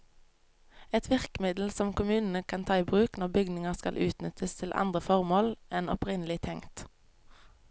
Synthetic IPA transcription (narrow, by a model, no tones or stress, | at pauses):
ɛt̪ʰʋɪʁkmɪd̪l̩sɔmkʰʊmʉːnn̩əkʰɑnt̪ʰɑːiːbʁʉːknɔʁbʏɡnɪŋəʁskɑ̰lʔʉ̰ːt̪nʏt̪ʰəst̪ʰɪlʔɑ̰nd̪ʁəfɔʁmoːlɛnɔ̰pʁɪnəlɪt̪ʰɛŋt̪